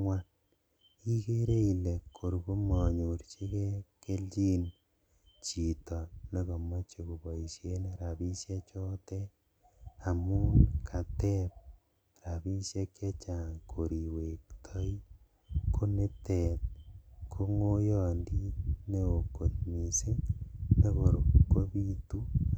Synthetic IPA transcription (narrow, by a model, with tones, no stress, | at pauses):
ŋwa˦n | i˦ke˦ɾe˦i˨le˨kʰːo˨ɾku˦mɔ˨ɲu˨ɾt͡ʃe˦kɛ˦ke˦lt͡ʃi˦n | t͡ʃi˨tɔ˨ne˦ko˨mɔ˦t͡ʃe˦ko˨bɔ˨i˨ʃje˦ne˨ɾa˨bi˦sje˦t͡ʃɔ˦tɛ˦ | a˨mu˦kʰa˨tɛ˦p̚ | ɾa˨βi˦ʃje˦kʰe˦t͡ʃa˨ŋkʰo˨ɾi˨we˨ktʰɔ˦i˦ | kʰo˦ne˦te˨t̚kʰo˦ŋo˦jɔ˨ndi˦ne˦o˨ko˨t̪mi˨se˦ne˦ko˨ɾo˨kwo˦βi˦tu˦